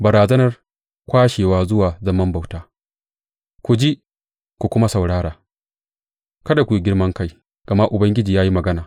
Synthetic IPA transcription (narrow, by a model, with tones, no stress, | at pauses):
bɐ˨ɾaː˨zɐ˦nɐ˨r | kʷaː˦ʃeː˨waː˦zʊ˦waː˨zɐ˦mɐ˦mba˨wtaː˦ | kʷu˨d͡ʒi˦ | kʷu˨kʷʊ˦ma˦sɐ˨wɽaː˦ɽaː˨ | kɐ˦da˨kʷu˨ju˨ɡʲɪ˦ɽmɐ˦ŋka˦j | ɡ̥ɐ˨ma˦ʔʊ˨bɐ˦ŋɡʲɪ˦d͡ʒiː˨jaː˦ji˦mɐ˨ɡɐ˦naː˨